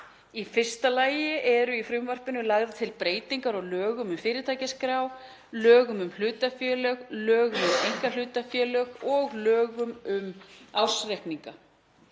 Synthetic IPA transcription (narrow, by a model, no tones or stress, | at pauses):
ifɪr̥st̪alaːjɪʔɛɾʏifɾʏmvœr̥pʏnʏlaɣðat̪ʰɪlpɾeːjt̪iŋkaɾɔɣlœːɣʏmʏmfɪːɾɪt̪ʰaːjcɪskɾaːw | lœːɣʏmʏml̥ʏːt̪afjɛːlœɣlœːɣʏmʏmejŋ̥kalʏːt̪afjɛːlœɣɔɣlœːɣʏmʏmaːwsɾɛhpniŋka